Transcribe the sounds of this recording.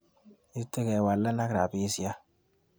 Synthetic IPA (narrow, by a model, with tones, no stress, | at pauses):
i˦i˦tːe˦kɛ˨wa˨lːa˦na˦kɾa˨bi˦si˦a˦